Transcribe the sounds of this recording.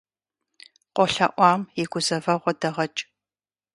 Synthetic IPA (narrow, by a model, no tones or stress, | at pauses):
qʷɔɬɐ̰ʔʷɑːmiɡʷʊzɐvɐʁʷɔdɐʁɐt͡ʃʼ